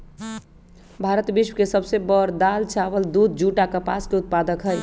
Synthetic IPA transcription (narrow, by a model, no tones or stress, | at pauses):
bʱaɾət̪biʃwəkesəbsebəɾd̪alt͡ʃaʋəld̪ud̪̚d͡ʒuʈakəpa̰skeʊt̪̚pad̪əkɦəj